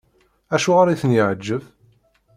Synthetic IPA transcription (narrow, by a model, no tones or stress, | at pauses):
æʃuʁaɾiθənjəʕəd͡ʒːəv